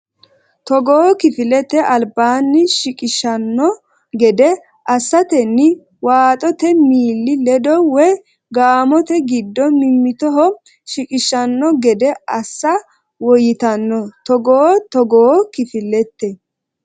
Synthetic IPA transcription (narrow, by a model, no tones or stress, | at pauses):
t̪ɔɡɔːɔkɪfɪlɛt̪ːɛʔɐlbaːnːɪʃɪkʼɪʃɐnːɔ | ɡɛd̪ɛ | ʔɐsːɐt̪ɛnːɪ | waːt̪ʼɔt̪ɛmiːlːɪlɛd̪ɔwɛ | ɡaːmɔt̪ɛɡɪd̪ːɔmɪmːɪt̪ɔɦɔ | ʃɪkʼɪʃːɐnːɔɡɛd̪ɛɐsːɐ | wɔjɪt̪ɐnːɔt̪ɔɡɔːt̪ɔɡɔkɪfɪlːɛt̪ːɛ